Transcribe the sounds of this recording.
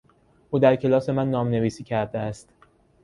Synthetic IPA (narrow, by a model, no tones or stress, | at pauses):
ʔuːd̪æɾcʰe̞lɒːse̞mænːɒːmne̞viːsiːcʰæɾd̪eæst̪